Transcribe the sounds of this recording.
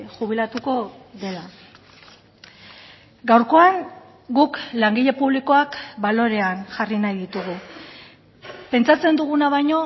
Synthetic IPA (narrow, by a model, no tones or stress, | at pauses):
xuβ̞ilat̪uko̞ðe̞la | ɡawɾko̞aŋ | ɡuklaŋɡiʎe̞puβliko̞akbalo̞ɾe̞anʝarinajðit̪uɣ̞u | pe̞nt͡sat͡se̞nd̪uɣ̞unaβ̞ajɲo̞